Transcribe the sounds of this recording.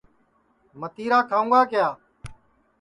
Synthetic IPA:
mət̪iːɾaːkʰaːũːɡaːkɪjaː

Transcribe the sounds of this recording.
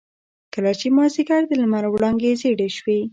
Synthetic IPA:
kəlat͡ʃemɑziɡaɾd̪əlamaɾwɽɑŋɡezeɽeʃwe

